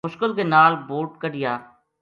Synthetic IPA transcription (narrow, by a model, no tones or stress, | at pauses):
ʊʃkəlkenaːlboːʈ̚kəɖɪjaː